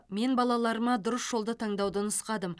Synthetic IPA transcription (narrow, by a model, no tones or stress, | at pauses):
me̞nbɑlˠɑlˠɑɾəmɑd̪ʊɾəsʒ̥o̞lˠd̪ət̪ʰɑɴd̪ɑwd̪ənəsqɑd̪əm